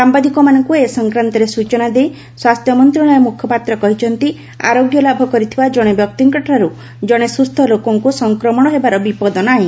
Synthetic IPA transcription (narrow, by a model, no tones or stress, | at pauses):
sambad̪ikɔmanɔŋkuesɔŋkɾant̪ɔɾesut͡ʃɔnad̪ej | swast̪ʰjɔmɔnt̪ɾiɽ̃ɔjɔmukʰjɔpat̪ɾɔkɔɦit͡ʃʰɔnt̪i | a̰ɾoɡjɔlabʱɔkɔɾit̪ʰibad͡ʒɔɽ̃ebjɔk̚t̪iŋkɔʈɾaɾu | d͡ʒɔɽ̃esust̪ʰɔlokɔŋkusɔŋkɾɔmɔɽ̃ɔɦebaɾɔbipɔd̪ɔnɔaɦĩ